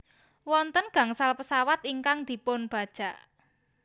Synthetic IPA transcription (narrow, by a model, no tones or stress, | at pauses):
wɔnt̪ənɡ̥ä̤ŋsalpəsawat̪iŋkaŋd̪̥i̤pʊnb̥a̤d̥ʒ̥a̤ʔ